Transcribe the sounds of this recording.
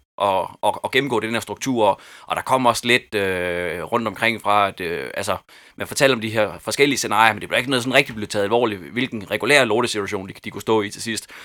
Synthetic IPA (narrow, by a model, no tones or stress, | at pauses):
ʔɒ̽ɒ̽ɒ̽ɡ̥em̩ɡɔ̰ːd̥enheɐd̥ʁuɡ̥̚t͡sʰṵɐ̰ɒʔɒ̽ɾ̥ɑ̈kʰɒ̽m̰ɒ̽sled̥øʁɔ̽n̰d̥ɒ̽mkʰʁeŋ̰fʁɑ̈æd̥øælsə | mænfɒt͡sʰel̰̥ɒ̽md̥iɦeɐ̰fɒ̽sɡ̥el̰iəsenɑ̈ːjɐmend̥eʋ̥ɑ̥eɡ̥nɔð̩ˠs̬ɒ̽nʁeɡ̥̚d̥ib̥le̝ð̩ˠt͡sʰɛ̰ð̩ˠælʋɒ̰ːliʋe̝lɡ̥n̩ʁɛɡ̥ulæ̰ɐloːɾ̥əsit͡sʰuæɕo̝̰ːn̥d̥ikʰusd̥ɔ̰̽ːit͡sʰe̝lsisd̥